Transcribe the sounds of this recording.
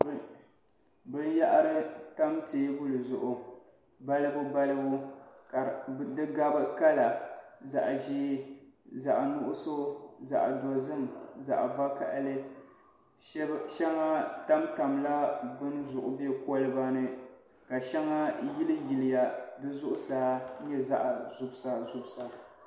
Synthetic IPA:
bɨ˦n˦ja˦ʔa˦ɾɨ˦ta˦mteː˨˦bʊ˦lɨ˨zʊ˨ʔʊ˨ | ba˦lɨ˦bʊ˦ba˦lɨ˦bʊ˦ka˨dɨ˦ɡa˦bɨ˦ka˦la˨za˨ʔʒiː˦ | za˨ʔnʊ˦ʔʊ˦so˦za̰˨ʔdo˨zɨ˦m˨za̰˨ʔva˦ka̰˨ʔlɨ˦ | ʃɛ˦ŋa˦ta˦mta˨mla˦bɨ˦n˦zʊ˨ʔʊ˨bi˦ɛ˦kɔ˦lɨ˦ba˦nɨ˦ | ka˨ʃɛ˦ŋa˦ji˦lɨ˦ɡɪ˨lɪ˨ja˨dɨ˦zʊ˦ʔʊ˦saː˦ɲɛ˦za˦ʔa˨zʊ˨bsa˨zʊ˦bsa˨

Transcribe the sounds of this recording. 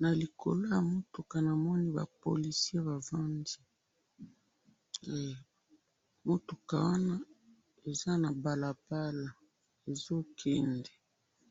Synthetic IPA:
na˨li˨kʰo̰˨lo˦ja˨mo˦to˨ka˨na˨mɔ˦ni˦ba̰˨po̰˨li˨si˦e˦βa˨va˦ndi˦˨ | mo˦to˨ka̰˨wa˦na˦ | e˨za˦na˨ba˨la˨ba˦la˨ | e˨zo˦kʰɛ˦ndɛ˨

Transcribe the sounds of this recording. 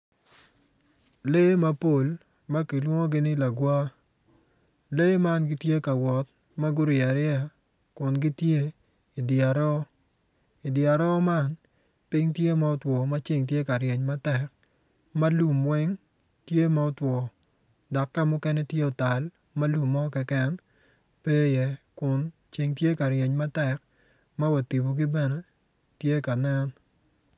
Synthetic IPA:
le˦ma˦po˦˨l | ma˦ki˨lwɔ˦ŋo˦ɡɪ˦nɪ˦la˨ɡwa˦ | le˦ma˦nɡɪ˦tje˦ka˨wɔ˨t̚ | ma˦ɡʊ˦ɾɪa˨ɾɪ˦a˨ | kʊ˨nɡɪ˦tje˦ | i˨dɪa˨ɾɔ˦ | ɪ˨dɪa˨ɾɔ˦ma˦n | pɪ˦ŋtje˦ma˨ɔ˦twɔ˨ma˦t͡ʃɪ˦ŋt̬je˦ka˨ɾjɛ˨ɲma˦tɛ˨k̚ | ma˦lu˨mwɛ˦ŋ | tje˦ma˦ɔ˦twɔ˨ | da˨kːa˦mʊ˦kɛ˦nɛ˦tje˦ɔ˨ta˨l | mɐ˦lu˨mːɔ˦kɛ˦kɛ˦n | pe˦jɛ˨kʊ˨n | t͡ʃi˨ŋtje˦ka˨ɾjɛ˨ɲma˦tɛ˨k̚ | ma˦wa˨ti˨bo˨ɡi˦bɛ˦nɛ˨ | tje˦ka˨na˦n

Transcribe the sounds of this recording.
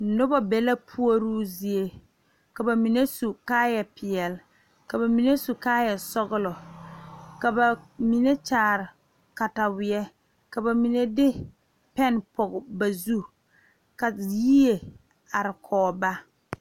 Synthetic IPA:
nʊ˦ba˦bɛ˨la˦pʰu˦o˦ɾuː˦zi˨e˦ | ka˨ba˨mi˨ne˦su˨kaː˦jɛ˨pɪ˨ɛ˨l | ka˨ba˨mi˨ne˦su˨kaː˦jɛ˨sɔ˦ɣʊ˦lɔ˨ | ka˨ba˨mi˨ne˦t͡ʃaː˨ɾɪ˨ | ka˨ta˨wɪ˨ɛ˦ | ka˨ba˨mi˨ne˦dɪ˦ | pɛ˦npɔ˨ɡba˨zu˦ | ka˨jiː˦e˨ | a˨ɾɪ˨kʰɔː˨ba˦

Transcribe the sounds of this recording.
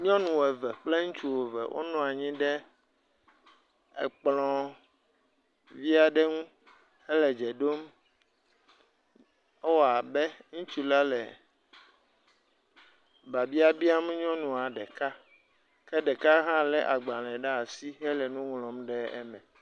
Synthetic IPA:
ɲɔ̃˦nũ˨wɛ˨vɛ˨k͡ple˦ŋũ˦t͡ʃu˦wo˨vɛ̰˨wʔo̰˦nɔ̃˨a˨ɲĩ˦ɖɛ˦ | ḛ˨k͡plɔ̃˨˦ | vi˦a˨ɖɛ˦ŋũ˦ | ɛ˦lɛ˨d͡ʒɛ˨ɖo˦m | ɛ˦wa˨bɛ˦ŋũ˦t͡ʃu˦la˦lɛ̰˨ | ba˨bi˦a˦bi˦a˦mɛ˦ɲɔ̃˦nũ˨a˨ɖɛ˨ka˦ | kɛ˦ɖɛ˨ka˦ɦã˦lɛ̰˦ʔa˨ɡ͡ba˨lɛ̃˨ɖa˦a˨si˦ɦɛ˦lɛ˨nũ˦ŋlɔ̃˨mɖɛ˦ɛ̰˦mɛ̃˨

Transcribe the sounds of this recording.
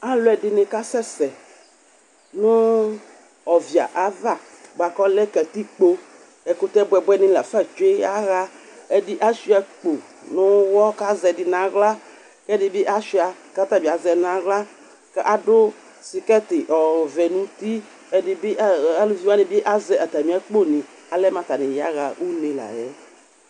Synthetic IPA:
a˦lʊ˨˦ɛ˨dɪ˨nɪ̃˨ka˦sɛ˦sɛ˨ | nʊ̃˦ | ɔ˨vi˨a̰˨ʔa˨˦va˦˨ | ɡ͡ba˨kɔ˦lɛ˦kɛ˨t̪i˦k͡po˦ | ɛ˨kʊ˦t̪ɛ˦bɛ˨bɛ˦nɪ̃˦la˨fa˦d͡ʒe˦a˦ɣa˦ | ɛ˦dɪ˦ʔa˦ʃi˦ɛ˨k͡po˨ | nʊ̃˦wɔ˦ka˦zɛ˨dɪ˨nã˨ɣla˦ | kɛ˦dɪ˨bɪ˦ʔa˦ʃi˦a˨ka˦t̪a˦bi˨a˨zɛ˨nã˨ɣla˦ | kɛ˦ʔa˨dʊ˦ | sɪ˨kɛ˦t̪ɪ˨ʔɔ˨vɛ˨nũ˦t̪i˦ | ɛ˨dɪ˨bɪ˦ʔa˨˦lu˦vi˦a˦nɪ˨˦bɪ˦ʔa˦zɛ˨ʔa˨t̪a˨mĩ˨˦a˦k͡po˦nĩ˨ | a˨lɛ˦mã˨t̪a˨nɪ̃˨ja˦ɣa˨ʔu˦nẽ˨la̰˨jɛ˦

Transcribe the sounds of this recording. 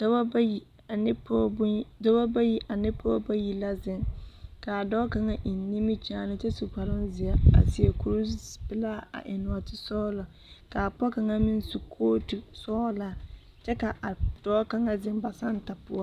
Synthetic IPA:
da˦ba˦bji˨˦ | pːda˦ba˦ba˦ji˦ʔa˨nɪ˦pɔ˦ba˦ji˨la˦zɪ˨ŋka˨a˨dɔː˦ka˨ŋa˦ʔɪ˨nː˦i˦mi˦t͡ʃaː˨nɪ˦t͡ʃɛ˦su˨ka˨ɾɪ˦nzɪ˨a˦a̰˨si˨e˨ku˦ɾu˦pɪ˦la˦a̰˨ʔɪ˨nʊ˨a˨tɪ˨sɔː˦lɔ˨ | ka˨pɔ˦ka˨ŋa˦mɪ˦n˦su˨kʰoː˦tu˨sɔ˦la˦˨ | t͡ʃɛ˦ka˨ʔa˨d̥ɔː˦ka˦ŋa˦zɪ˦mba˨sa˦n˦ta˨pʊ˦a˦

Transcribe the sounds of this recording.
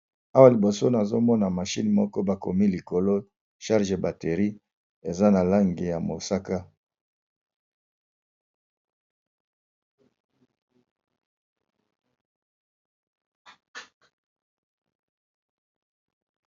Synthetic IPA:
a˦wa˨li˨bo˨so˦na˨zo˦mɔ˦na˨ma˨ʃi˦nmɔ˦kɔ˦ba˨ko̰˨mi˦li˨ko˨lo˦ | ʃa˦ʁʒe˨ba˨te˨ʁi˦ | e˨za˦na˨la˦ŋɡe˨ja˨mo˨sa˦ka˦

